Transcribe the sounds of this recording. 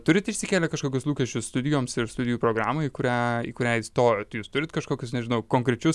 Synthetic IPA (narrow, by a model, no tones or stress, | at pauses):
t̪ʊɾʲɪt̪ɪʃʲsʲɪkʲeːlʲɛkɐʃkoːkʲʊslˠuːkʲɛʃʲt͡ʃʲʊsst̪ʊd̪ʲɪjoːmsɪɾst̪ʊd̪ʲɪjuːpɾoːɡɾɑːmɐiːkʊɾʲæːḭːkʊɾʲæːɪst̪oːjoːt̪ɪjuːst̪ʊɾʲɪt̪kɐʃkoːkʲʊsnʲɛʒʲɪnɐʊkoːŋkɾʲɛt͡ʃʲʊs